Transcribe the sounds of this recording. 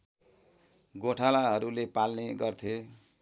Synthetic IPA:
ɡoʈʰalaɦʌɾulepalneɡʌrt̪ʰjo

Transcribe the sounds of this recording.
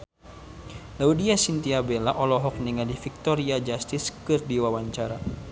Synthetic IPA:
laudiasint̪iabelaʔɔlɔɦɔk̚niŋadifik̚t̪ɔɾiad͡ʒast̪iskɨrdiwawaɲt͡ʃaɾa

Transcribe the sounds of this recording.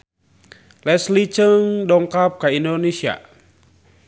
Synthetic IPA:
lɛslit͡ʃəŋɗɔŋkap̚kaʔindonesia̰

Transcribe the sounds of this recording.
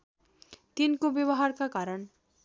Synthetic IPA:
t̪inkobjʌβʌɦarkakaɾʌn

